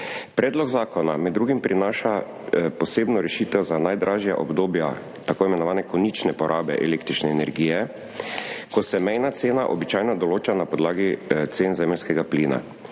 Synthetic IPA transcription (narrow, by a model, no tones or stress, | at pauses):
pɾɛːd̪lɔɡzaːkɔnamɛd̪ːɾuːɡimpɾinaːʃa | pɔseːbnɔɾɛʃiːt̪ɛwzanajd̪ɾʔaːʒja̰ʔɔ̰bd̪oːbja | t̪akoːimɛnɔʋaːnɛkɔnit͡ʃnɛpɔɾʔaːbɛ̰ʔɛ̰leːk̚t̪ɾit͡ʃnɛːnɛɾɡiːjɛ | kɔsɛmɛjnat̪seːnaʔɔbit͡ʃaːjnɔd̪ɔloːt͡ʃanapɔd̪laːɡit̪seːnzɛmɛlskɛɡapliːna̰